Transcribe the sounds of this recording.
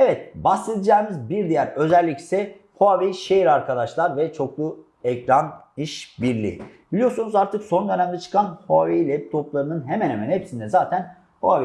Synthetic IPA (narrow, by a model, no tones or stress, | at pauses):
ɛvɛt̪̚basːed̪id͡ʒaːmizbiɾd̪ijæɾø̞zælʲːicsɛ | hoavejʃejiɾaɾkʰad̪aʃlˠaɾvɛt͡ʃʰo̞klˠu | ɛcɾaniʃbiɾlʲḭb̥ilʲijo̞ɾsunuzaɾt̪ʰɯkso̞nd̪ø̞næmd̪ɛt͡ʃʰɯ̥kʰanhoavejilʲɛp̚t̪ʰo̞plˠaɾɯnɯnɦe̞mænhemænhepsind̪ɛzaːt̪ʰæn | hoave